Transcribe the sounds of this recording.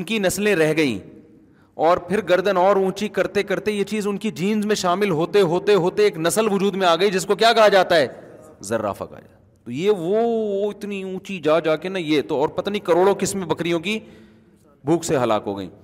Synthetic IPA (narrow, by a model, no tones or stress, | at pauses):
ʊnkinɐslẽɾɛɦɡɐḭ̃ː | ɔːɾpʰɪɾɡɐɾd̪ənɔːɾũːt͡ʃikɐɾt̪ekɐɾt̪ejet͡ʃiːzʊnkid͡ʒiːnzmẽʃaːmɪlɦoːt̪eɦoːt̪eɦoːt̪eeːknɐsəlʋʊd͡ʒuːd̪mẽaːɡɐid͡ʒɪskokjaːkɐɦad͡ʒaːt̪aɦɛː | zɐɾːa̰ːfʰa̰ka̰ːd͡ʒa̰ | t̪ojeːʋooɪt̪niũːt͡ʃid͡ʒaːd͡ʒaːkenɐjeːt̪oɔːɾpɐt̪aːnikɐɾoːɽõkɪsmẽbɐkɾijõki | bʱuːkseɦɐla̰ːkɦo̰ːɡɐ̰ḭ̃ː